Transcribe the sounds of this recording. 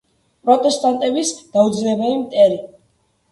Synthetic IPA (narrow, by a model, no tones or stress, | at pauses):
pʼɾɔt̪ʼɛst̪ʼant̪ʼɛbisd̪̥aud̪zlɛbɛlimt̪ʼɛɾi